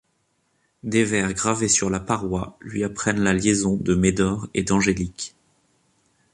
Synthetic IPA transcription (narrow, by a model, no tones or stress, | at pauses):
d̪evɛʁɡʁavesyʁlapaʁwalɥiapχɛnlaljezɔ̃d̪əmed̪ɔʁḛd̪ɑ̃ʒelik